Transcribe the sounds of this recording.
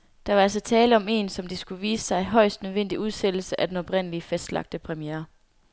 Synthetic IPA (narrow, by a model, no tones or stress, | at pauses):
d̥ɑ̈ʋɑ̈æls̬ɒ̽t͡sʰɛːləɒ̽me̝̰nsɒ̽md̥isɡ̥uʋiːsə̥sɑ̈ɪɦɒ̽ɪ̰sd̥nøð̞ˠʋen̰d̥iuð̞ˠsed̥l̩səʔæd̥enɒ̽b̥ʁen̰əliəfæsd̥lɑ̈ɡ̥̚d̥əpʰʁɛmijeːɐ